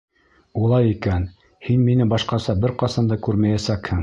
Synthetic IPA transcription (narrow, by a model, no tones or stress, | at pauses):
ulˠɑjikæn | hinminɘbɑʃqɑsɑbɘɾqɑsɑnd̪ɑkʉɾmæjæsækhɘŋ